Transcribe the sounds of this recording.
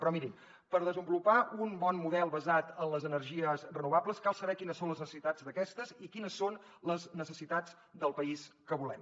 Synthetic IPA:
pɾɔmiɾi | pəɾðəzəmbulupaunbɔnmuðɛlˠβəzat̪ənləzənərʒiəzrənuβ̞apləskalˠsəβɛkinəsːonləznəsə̥sit̪ad͡zd̪əkɛst̪əzikinəsːon | ləznəsəsit̪ad͡z | d̪əlˠpəiskəβulɛm

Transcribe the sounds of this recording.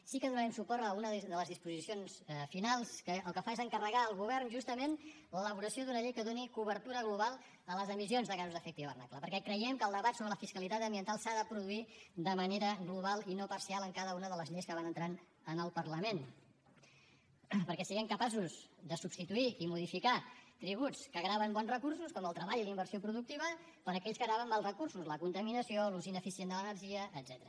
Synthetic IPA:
sikəðunəɾɛmsupɔɾt̪əunəððələzðispuzisionsfinalˠskəəːlˠkəfaezəŋkərəɣaəlˠɣuβ̞ɛrnʒust̪əmen | lələβ̞uɾəsioðunəʎejkəðonikuβəɾt̪uɾəɣluβalˠ | ələzəmisionzðəkazuzðəfɛk̚t̪iβə̰rnakləpəɾkɛkɾəjɛmkəlˠd̪əβat̪soβɾələfiskəlit̪at̪əmbiənt̪alˠsaðəpɾuðuid̪əməneɾəɣluβ̞alˠinopəɾsialˠəŋkaðəunəðələzʎejskəβanənt̪ɾan | ənəlˠpərləmen | pəɾkɛsiɣɛmkəpasuzd̪əsubst̪it̪uiimuð̞ifikat̪ɾiβ̞ut͡skəɣɾaβəmbɔnzrəkursuskɔməlˠt̪ɾəβaʎilimbəɾsiopɾuðuk̚t̪iβ̞ə | pəɾəkɛʎskəɣɾaβənmalˠzrəkursuzləkunt̪əminəsioluzinəfisiend̪ələnərʒiəʔːd̪z̥ɛt̪əɾə

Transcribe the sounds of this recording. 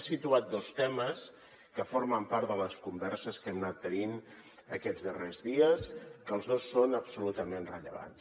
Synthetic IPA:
sit̪uat̪̚d̪ost̪ɛməs | kəfoɾməmpaɾt̪ðələskumbɛrsəskɛmnat̪ːənin | əkɛzðərezðiəskəlˠzð̞osːonəpsulut̪əmenrəʎə̰βa̰ns

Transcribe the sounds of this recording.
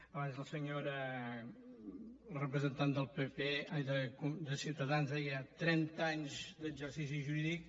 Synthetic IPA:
əβanzðəlˠsəɲoɾə | rəpɾəzənt̪and̪əlˠpepeaðəkud̪əsiwt̪əðanzaɣiat̪ːɾɛnt̪aɲzd̪əɡzəɾsis̬iʒuɾiðik̚

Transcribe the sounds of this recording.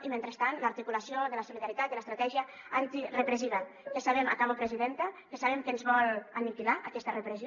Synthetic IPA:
iment̪ɾəst̪anləaɾt̪ikulasioðələsuliðaɾit̪at̪̚d̪ələst̪ɾat̪ɛʒiə | ant̪irepɾeziða | kəsaβ̞ema̰kaβopɾeziðent̪əkəsaβemkəenzβɔlanikilaʔakɛst̪ərəpɾez

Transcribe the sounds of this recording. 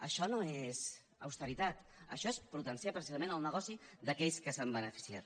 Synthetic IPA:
əʃɔnoez | ə̰wst̪əɾit̪at̪ə̰ʃɔespɾut̪ənsiapɾəsizəmẽnəlˠnəɣ̞ɔsiðəkɛʎskəsambənəfi̥sia̰t̪

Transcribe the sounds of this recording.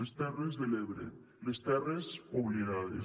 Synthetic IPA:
est̪erezðeleβɾḛ | lest̪eresoβleɾaðḛ

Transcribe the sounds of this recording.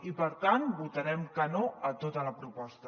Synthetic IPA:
ipəɾt̪anbut̪əɾɛmkənoət̪ot̪ələpɾupɔst̪ə

